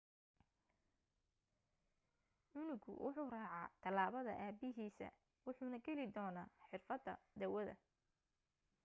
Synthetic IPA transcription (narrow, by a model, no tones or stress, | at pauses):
ʕʊnʊɡʊ̰wʔʊ̰ħuːraːʕɑt̪ʰɐlaːβɐðɐ̰ʔaːbɪɦiːsɐ̰ | wʊħuːnɐɡɛlɪd̪ɔːnaːħɪrfɐd̪ɐd̪ɐwɐðɐ̰